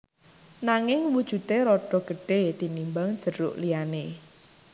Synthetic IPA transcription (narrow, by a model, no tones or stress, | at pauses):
naŋɪŋwud̥ʒ̥ṳt̪eɾɔɖ̥ɔ̤ɡ̥əɖ̥e̤t̪inimbaŋd̥ʒ̥ə̤ɾʊ̰ʔliane